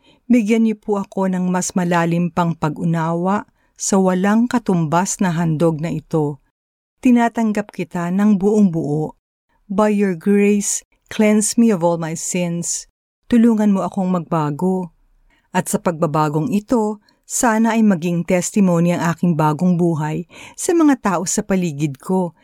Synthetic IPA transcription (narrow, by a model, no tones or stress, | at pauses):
bɪɡjɐnɲopuʔɐko̞nɐŋmɐsmɐlaːlɪmpɐŋpɐɡʔʊnaːwɐʔ | sɐwɐlaŋkɐt̪ʊmbasnɐɦɐnd̪o̞ɡ̚nɐʔɪt̪o̞ | t̪ɪnaːt̪ɐŋɡɐp̚kɪt̪anɐŋbʊʔoŋbʊʔoʔ | bɐjːoɹɡɹejs | klɛnsmiovolmajsɪns | t̪ʊluːŋɐnmo̞ʔɐkoŋmɐɡ̚baːɡo̞ | ʔɐt̪sɐpɐɡ̚bɐbaːɡo̞ŋɪt̪o̞ | saːnɐʔɐjmɐɡɪŋt̪ɛst̪ɪmo̞ːniɐŋʔaːkɪŋbaːɡo̞ŋbuːɦɐjsɐmɐŋat̪aːʔo̞sɐpɐliːɡɪd̪̚kʰo̞